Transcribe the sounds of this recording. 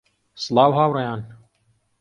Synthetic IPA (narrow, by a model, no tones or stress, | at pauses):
slɑːwɦaːwrɐjaːn